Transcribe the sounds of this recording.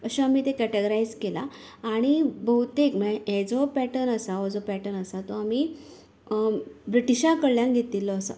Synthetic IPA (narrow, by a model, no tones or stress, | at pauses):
əɕaamiːt̪ekɛʈəɡəɾaid͡zkelaːɽ̃ibəut̪ekmɛed͡zɔpɛʈənəsaod͡zɔpɛʈənəsat̪ɔamiː | bɾiʈiɕãkəɭljãŋɡʱet̪ilːɔəsa̰